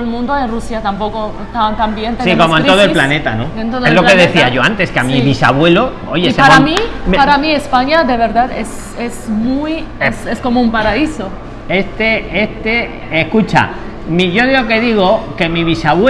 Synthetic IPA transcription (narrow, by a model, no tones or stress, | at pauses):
lmũnd̪oerusjat̪ampo̞ko | t̪at̪ambjent̪esikommoeno̞ðoelplane̞t̪anod̪ent̪oðelokeðeθiaʝo̞ant̪e̞skeamiβisa̰βwe̞lo | ojeseɾommimpaɾamiespaɲaðe̞β̞e̞ɾðaðes | esmujesesko̞moumpaɾaiso | est̪eest̪e | ehkut͡ʃa̰ | miʝo̞ðiloke̞ðiɣ̞oke̞miβisaβwe